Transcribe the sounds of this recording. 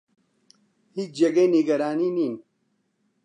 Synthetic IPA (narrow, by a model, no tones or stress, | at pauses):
hit͡ʃd͡ʑeɡeniɡɐɾaːniːniːn